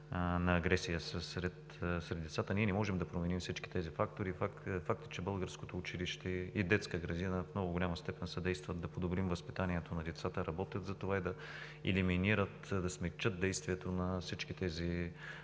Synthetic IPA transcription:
nɐːɡɾɛsijəsəsɾɛt̪ | sɾɛd̪d̪ɛt̪sat̪əniɛnɛmɔʒɛmd̪ɐpɾomɛnimsit͡ʃki̥t̪ɛzifak̚t̪oɾifafak̚t̪ə̥t͡ʃɛbɤlˠɡəɾskot̪oːt͡ʃiliʃt̪ɛid̪ɛt̪skəɡɾɐd̪inəfnɔɡʊɡʊlʲamɐst̪ɛpɛnsɛd̪ɛjst̪vɐt̪̚d̪ɐpod̪obɾimvəspit̪aniɛt̪onɐd̪ɛt̪sat̪əɾɐbɔt̪jət̪zɐt̪ovaid̪ɐ | ɛ̰liminiɾət̪d̪ɐsmɛkt͡ʃət̪̚d̪ɛjst̪viɛt̪onɐsit͡ʃkit̪ɛzi

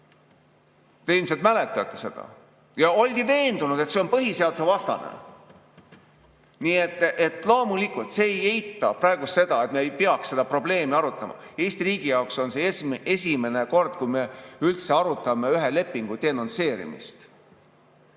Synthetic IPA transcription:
t̪e̞ilms̬et̪̚mæle̞t̪ːˑɑt̪ˑːe̞̥se̞d̪̥ɑ̰ | jɑo̞lʲɡ̥ive̞ːnd̪̥unud̪̥e̞t̪se̞o̞npɤɦise̞ɑd̪use̞vɑst̪ɑ̰nḛ | niːet̪ːˑet̪ːˑlo̞ːmulikult̪se̞eje̞jt̪ːˑɑprɑeɡ̥use̞d̪̥ɑet̪meːjpeɑksse̞d̪̥ɑpro̞ble̞ːmiɑɾut̪ˑːɑmɑ̰ | e̞jst̪iriːɡ̥ijɑokso̞nse̞esmesʲime̞ne̞ko̞rd̪̥̚kujme̞ylt̪se̞ɑɾut̪ːˑɑme̞yɦele̞pːˑiŋɡ̥ut̪eno̞nse̞ːɾḭmḭst̪

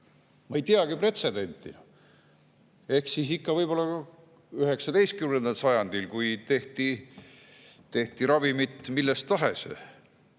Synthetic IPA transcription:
mɑejt̪iɑɡ̥ipre̞t̪se̞d̪e̞nʲt̪ːˑḭ | e̞hksisikːɑvɤjb̥o̞lːɑɑ | yɦe̞ksɑd̪e̞jst̪̚kymnend̪ɑlsɑjɑnd̪̥ilkujt̪e̞ht̪i | t̪e̞ht̪iɾɑvimit̪ːˑmilːe̞st̪ːɑɦe̞sḛ

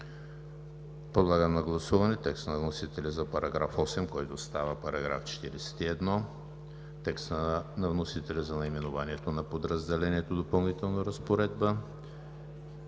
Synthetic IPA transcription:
pod̪lˠaɡəmnɐɡlˠɐsuvɐnɛt̪ɛkst̪nɐvnosit̪ɛlʲɛzɐpɐɾɐɡɾafɔsɛmkɔjt̪ost̪avəpɐɾɐɡɾa̰ft͡ʃɛ̥t̪iɾɛsɛ̥t̪iɛd̪nɔ | t̪ɛkst̪ənɐvnosit̪ɛlʲəzɐnɐimɛnʊvaniɛt̪onɐpod̪ɾɐzd̪ɛlɛniɛt̪od̪opɐlˠnit̪ɛlˠnoɾɐspoɾɛd̪̚bə

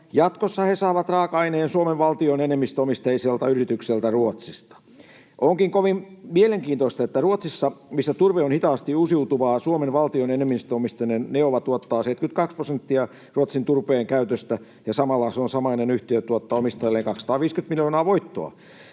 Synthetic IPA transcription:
jɑt̪kosːɑhesɑːʋɑt̪rɑːkɑineːnsuomeʋʋɑlt̪ionenemːist̪omist̪ejiselt̪ɑyrit̪ykselt̪æruot̪sist̪ɑ̥ | ʔoŋkiŋkoʋimmieleŋkiːnt̪oist̪ɑet̪ːæruot̪sisːɑmisːæt̪urʋeonhit̪ɑːst̪iusiut̪uʋɑːsuomenʋɑlt̪ionenemːist̪øomist̪ɑnenneoʋɑt̪uot̪ːɑːseit̪kyt̪kɑksprosent̪ːiɑ | ruot̪sint̪urpeːŋkæyt̪øst̪æ | jɑsɑmɑlːɑseonsɑmɑinenyht̪iøt̪uot̪ːɑomist̪ɑjɑlːeːŋkɑksɑ̥t̪ɑːʋiːskynt̪miljoːnɑːʋoit̪ːo̰ɑ̰

